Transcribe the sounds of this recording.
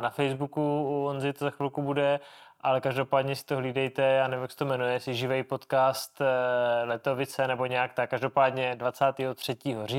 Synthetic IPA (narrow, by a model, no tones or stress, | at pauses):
nafɛjzbukuuonzɪt̪ozaxvɪlkubudɛʔalɛkaʒdopaːdɲɛsɪ̥t̪oɦliːdɛjt̪ɛjaːnɛvaksɛ̥t̪omɛnujɛjɛsɪʒɪvɛjpot̪kaːst̪lɛt̪o̞vɪt͡sɛnɛbo̞ɲɛakt̪akːaʒdo̞paːdɲɛdvat͡saːt̪iːɦot̪r̝̥ɛciːɦoriː